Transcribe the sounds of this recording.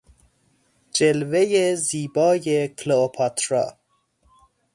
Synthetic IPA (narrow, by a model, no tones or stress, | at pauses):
d͡ʒelvejeziːbɒːjekʰloopʰɒt̪ʰɾɒ̰ː